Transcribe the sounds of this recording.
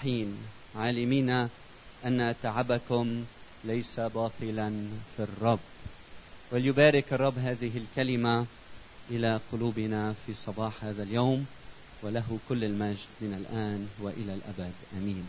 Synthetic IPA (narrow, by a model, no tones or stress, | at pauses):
ħiːn | ʕaːlɪmiːna | ʔanːat̪aʕabakʊm | lajsabɑːt̪ˤɨlanfirˤːɑbː | waljʊbaːɾɪkʔɑrˤːɑbːɦaːðɪɦɪlkalɪma | ʔɪlaqʊluːbɪnafiːsˤɑbɑːħhaːðaljawm | walaɦkʊlːalmaʒd̪mɪnalʔaːnwaʔɪlalʔa̰bad̪ʔamiːn